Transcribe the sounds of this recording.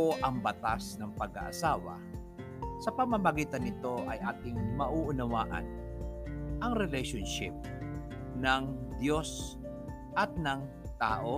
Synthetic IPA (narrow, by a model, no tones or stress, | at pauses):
oʔɐŋbɐt̪asnɐŋpɐɡa̰ʔɐ̰saːwɐ̰ | sɐpɐmɐmɐɡiːt̪ɐnɪt̪o̞ʔɐjʔaːt̪ɪŋmɐʔuʔʊnɐwaːʔɐ̰n | ʔɐŋɾɛlɛjʃonʃɪp̚ | nɐŋd̪jo̞s | ʔɐt̪̚nɐŋ | t̪aːʔo